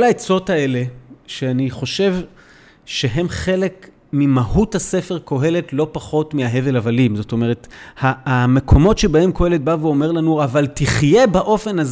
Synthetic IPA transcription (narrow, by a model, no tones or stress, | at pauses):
kolaet͡so̞tae̞le̞ʃeaniχo̞ʃe̞v | ʃe̞ɦe̞mχe̞lek | mimahuthase̞fe̞ʁko̞ɦe̞le̞tlo̞paχo̞tmiaɦe̞velavalimzo̞to̞me̞ʁethame̞kʰo̞mo̞tʃebaemko̞he̞le̞t̚baveo̞me̞ʁlanuavaltiχje̞baʔo̞fe̞naz